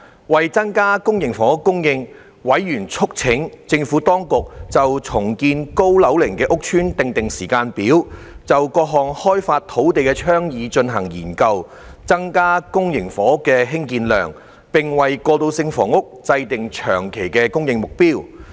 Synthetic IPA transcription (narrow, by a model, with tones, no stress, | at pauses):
wɐ˨jt͡sɐ˥ŋkaː˥kʊ˥ŋjɪ˨˩ŋfɔː˨˦˥kʊ˥ŋjɪ˧ŋ | wɐ˨˥jːyː˨˩nt͡sʰʊ˥k̚t͡sʰɪ˨˥ŋt͡sɪ˧ŋfuː˨˥t̪ɔː˥ŋkʊ˨k̚t͡sɐ˨wt͡sʰʊ˨˩ŋkiː˧nko˥wlɐ˨˥wlɪ˨˩ŋkɛː˧ʔʊ˥k̚t͡ʃʰyː˥nt̪ɪ˨ŋt̪ɪ˨ŋsiː˨˩kaː˧npiː˨˥wt͡sɐ˨wkɔː˧k̚ɦɔː˨ŋhɔː˥jfaː˧t̚t̪ʰo˨˥wt̪e˨jkɛː˧t͡ʃʰœː˥ŋjiː˨˧t͡ʃɵ˧nɦɐ˨˩ŋjḭː˨˩nkɐ˧w | t͡sɐ˥ŋkaː˥kʊ˥ŋjɪ˨˩ŋfɔː˨˥kːɛː˧ɦɪ˥ŋkiː˧nlœ̰ː˨˩ŋ | pɪ˨ŋwɐ˨jkɔː˧t̪o˧wsɪ˧ŋfɔ̰ː˨˩ŋʊ˥k̚t͡sɐ˧jt̪ɪ˨ŋt͡ʃʰœ̰ː˨˩ŋkʰe˨˩jkɛː˧kʊ˥ŋjɪ˧ŋmʊ˨k̚piː˥w